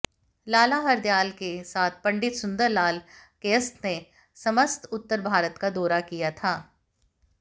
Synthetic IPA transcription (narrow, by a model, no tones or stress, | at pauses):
laːlaɦɐɾd̪jaːlkesaːt̪̚ʰpɐ̃ɳɖɪt̪sʊ̃nd̪əɾlaːlkeːəst̪ne | sɐməst̪ʊt̪ːəɾbʱaːɾət̪kad̪ɔːɾakijat̪ʰaː